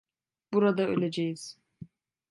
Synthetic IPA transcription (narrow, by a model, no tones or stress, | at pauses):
b̥uɾad̪aø̰lʲed͡ʒejiz̥